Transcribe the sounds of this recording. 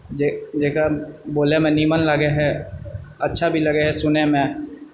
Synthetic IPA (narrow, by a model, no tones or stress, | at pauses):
d͡ʒed͡ʒeːkaboːlemɛ̃niːmənləɡeɦɛ | ɐtːʃʰabʱilɐɡeɦɛsʊnemẽ